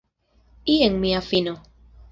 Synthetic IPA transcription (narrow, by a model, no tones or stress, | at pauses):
ieŋmiafino